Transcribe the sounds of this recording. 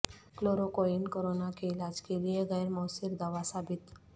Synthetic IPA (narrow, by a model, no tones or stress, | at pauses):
kloɾokoinkoɾonakeɪlad͡ʒkelijeɣɛjɾmɔwsiɾd̪aʋasabɪt̪